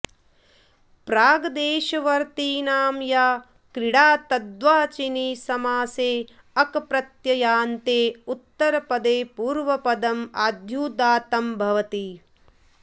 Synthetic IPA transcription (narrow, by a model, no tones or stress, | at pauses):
pɾaːɡɐd̪eːʃɐʋɐɾt̪iːnaːmjaː | kɾɪɽaːt̪ɐd̪ʋaːt͡ʃiniːsɐmaːseː | ɐkpɾɐt̪jɐjaːnt̪eːut̪ːɐɾɐpɐd̪eːpuːɾʋɐpɐd̪ɐmaːd̪ʱjuːd̪aːt̪ɐmbʱɐʋɐt̪i